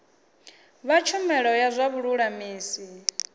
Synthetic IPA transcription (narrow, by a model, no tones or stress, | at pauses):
βat͡ʃʰumɛɺɔjazʷaβuɺuɺamiːsi